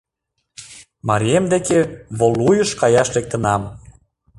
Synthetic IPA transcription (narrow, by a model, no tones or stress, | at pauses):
mɑɾʲiemd̪ekeβolujəʃkɑjɑʃlek̚t̪ə̆nɑm